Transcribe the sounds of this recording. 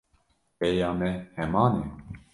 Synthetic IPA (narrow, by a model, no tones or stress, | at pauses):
pɛjɑːmɛhɛmɑːnɛ